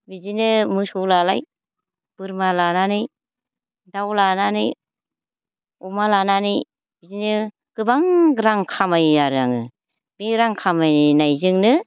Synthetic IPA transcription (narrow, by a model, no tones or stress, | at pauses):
bizinɯmɯsɔlalaj | b̥ɯɾmalananɯj | dawlananɯj | ɔmalananɯj | bizinɯ | ɡɯbaŋɡɾaŋkʰamajaɾaŋɯ | biɾaŋkʰamajnajzɯŋnɯ